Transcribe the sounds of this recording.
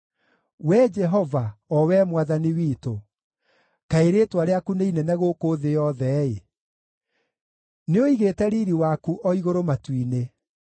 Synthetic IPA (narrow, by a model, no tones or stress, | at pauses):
wɛd͡ʒɛɦɔvaɔwɛmwaðaniwiːto | kaeɾeːtwaɾeakuneinɛnɛɣoːkoːðejɔðɛe | neoiɣeːtɛɾiːɾiwakuʔɔiɣoɾomatwine